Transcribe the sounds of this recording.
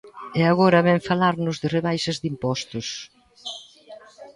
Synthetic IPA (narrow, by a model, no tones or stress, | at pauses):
eaɣɔɾɐβɛɱfalaɾnʊzðɪreβajʃɪzd̪impɔst̪ʊs